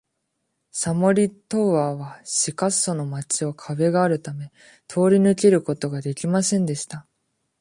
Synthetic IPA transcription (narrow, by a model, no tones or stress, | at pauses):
samo̞ɾʲit̪o̞βaːβaɕikaso̞no̞mat͡ɕio̞kʰaβe̞ɡaːɾɯ̟t̪ame̞ | t̪ʰo̞ːɾʲinɯ̟ke̞ɾɯ̟ko̞t̪o̞ɡad̪e̞kʲimasẽ̞nd̪e̞ɕi̥t̪a